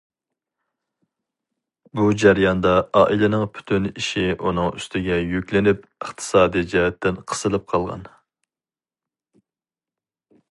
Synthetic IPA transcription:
bud͡ʒæɾjɑnd̪ɑɑːʔilɪnɪŋpʰy̥t̪ʰyniʃiʔunɨŋy̰st̪ɪɡʲɛjykʲlɪnypəχt̪ʰɨ̥sɑːd̪ijd͡ʒɛɦɛt̪ːɪnqʰə̥sɨlˠɨp̚qʰɑlˠʁɑ̰n

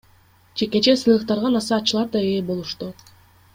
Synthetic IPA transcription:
d͡ʒe̞ke̞t͡ʃe̞sɯjlˠɯq̚t̪ɑɾʁɑnɑsɑːt͡ʃːɯlˠɑɾd̪ɑeːbo̞lˠuʃt̪u

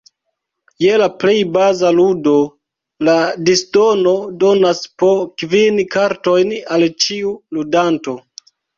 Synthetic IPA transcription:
je̞laple̞jbazaludo̞ | ladisdo̞no̞do̞naspokvinkaɾto̞jnalt͡ʃiuludanto̞

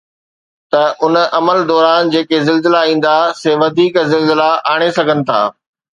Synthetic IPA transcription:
t̪ɐʔʊnʔɐməld̪ɔːɾaːnd͡ʑeːkezɪlzɪlaĩːn̆d̪aseːʋɐd̪ʱiːkzɪlzɪlaaːɽ̃esɐɡʱənɪ̆t̪ʰa̰ː

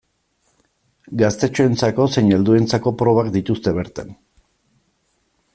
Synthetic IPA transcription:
ɡast̪e̞t͡ʃoe̞nt͡sako̞seɲeld̪ue̞nt͡sako̞pɾo̞β̞akd̪it̪ust̪e̞βe̞ɾt̪an

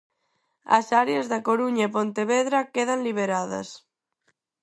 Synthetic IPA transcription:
ɐ̰saɾeazðakoɾuɲaepont̪eβeðɾakeðanliβ̞eɾaðɐ̰s

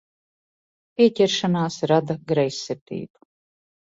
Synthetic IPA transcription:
pʲiɛcʲɛɾʃanaːsɾad̪aɡɾɛjsːiɾt̪ḭːbu

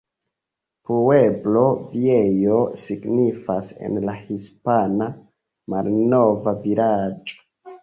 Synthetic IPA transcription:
pue̞blo̞viejo̞siɡnifase̞̰nlahispana | malno̞vaviɾad͡ʒo̥

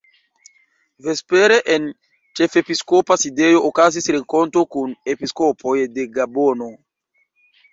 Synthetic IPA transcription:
ve̞speɾe̞ʔen | t͡ʃe̞fe̞piskopaside̞jo̞ʔokazisɾeŋko̞nto̞kunepisko̞pʰo̞jde̞ɡabono̞

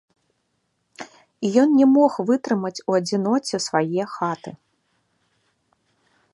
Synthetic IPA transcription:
ijɔnnʲɛmɔxvɨt̪ɾɨmɐt͡sʲuɐd͡zʲinɔt͡sʲɛsvajɛxat̪ɨ

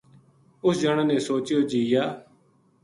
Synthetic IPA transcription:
ʊsd͡ʒəɳaːneːsoːt͡ʃjoːd͡ʒiːjaː

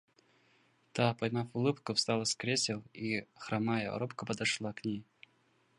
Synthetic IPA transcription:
t̪apɐjmafʊlˠɨpkʊfst̪alˠəskɾʲesʲɪlˠixɾamajə̰ɾopkəpəd̪ɐʂlˠaknʲej

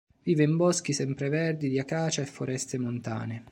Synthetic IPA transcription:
viːveimbɔsk̟isɛmpɾevɛrd̪id̪iakaːt͡ʃaɛfːoɾʔɛst̪emont̪a̰ːne

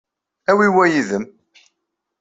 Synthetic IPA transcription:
æwiwæjiðəm

